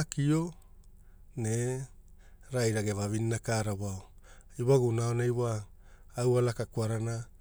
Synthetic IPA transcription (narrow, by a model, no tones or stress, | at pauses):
akio̞ | ne | ɾajɾaɡevavinnakaːɾaβaoiwaɡunaonajwaː | walakakuaɾana